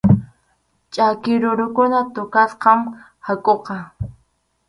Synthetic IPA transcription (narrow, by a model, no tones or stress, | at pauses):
t͡ʃʼakɪɾʊɾʊkʊnat̪ʊkasqɑm | hakʼoqɑ